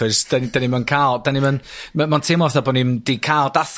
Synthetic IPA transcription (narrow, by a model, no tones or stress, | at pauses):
ɔɨsd̥and̥animənkʰaːlˠd̥animənmamantʰeːmɔθabɔnimdikʰaːlˠdaθ